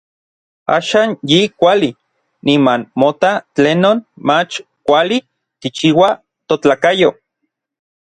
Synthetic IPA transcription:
a̰ːʃaːnjikʷali | nimanmot̪at͡ɬeːnoːnmat͡ʃ | kʷali | k̪it͡ʃiwa | t̪ot͡ɬaːkajo

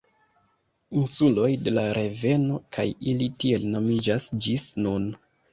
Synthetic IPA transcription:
insulo̞jde̞laɾʔe̞ve̞no̞kʰajilitie̞lno̞mid͡ʒasd͡ʒisnun

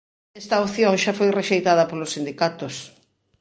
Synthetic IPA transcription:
ɛst̪ɐoθjoŋʃafojreʃejt̪aðɐpolosːind̪ikat̪os

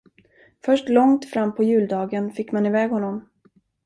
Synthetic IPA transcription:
fœʂʈlɔŋt̪fɾamːpʰɔjʉ̟ːld̪ɑːɡənfɪkːmanɪvɛːɡhɔnːɔm

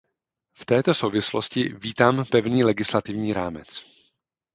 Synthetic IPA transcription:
ft̪ɛːt̪o̞so̞wvɪsloscɪviːt̪aːmpɛvniːlɛɡɪslat̪ɪvɲiːɾaːmɛt͡s

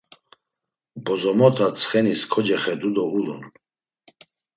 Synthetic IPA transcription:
bɔzɔmɔt̪ʰat͡sʰχɛniskʰɔd͡ʒɛχɛd̪ud̪ɔulṵn

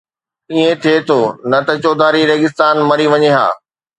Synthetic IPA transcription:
iẽt̪ʰiet̪ʰoːnɐt̪ɐt͡ɕoːd̪ʱaːɾiɾeːɡɪst̪aːnmɐɾiʋɐɲeɦa̰ː

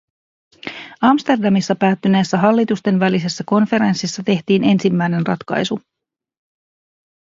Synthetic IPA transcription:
ɑmst̪e̞rdɑmisːɑpæːt̪ːyne̞ːsːæɦɑlːit̪ust̪e̞nʋælise̞sːæko̞nfe̞ɾe̞nsːisːɑt̪e̞ht̪iːne̞nsimːæjne̞nrɑ̰t̪kɑ̰jsu

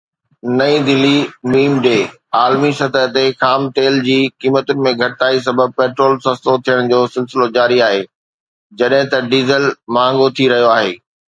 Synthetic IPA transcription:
nɐĩd̪ɪlːimiːmɖeː | aːlmisɐt̪əɦt̪exaːmt̪eːld͡ʑiːkiːmət̪ʊnɪ̆mẽɡʱɐʈt̪aːis̬ɐbəb̚peːʈɾoːlsɐst̪ot̪ʰijəɽ̃d͡ʑoːsɪlsɪlod͡ʑaːɾiaːɦeː | d͡ʑɐɗɦɪ̃t̪ɐɖiːzəlmãːŋɡot̪ʰiɾɐɦijoaːɦeː

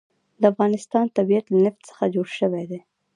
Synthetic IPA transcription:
d̪əafɣɑnɪst̪ɑnt̪abiat̪lanɪft̪sə̥xad͡ʒoɽʃəwed̪e

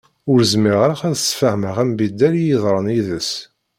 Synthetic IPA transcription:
ʊɾzmiʁɾχæðsfəhməʁæmbid̪ːæɾjiðˤɾˤəniðəs

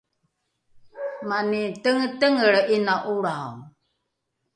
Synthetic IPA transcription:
manitəŋətəŋəɭinaʔuɾaw

